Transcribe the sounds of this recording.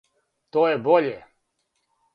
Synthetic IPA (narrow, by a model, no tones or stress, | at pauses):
t̪oːjeboʎe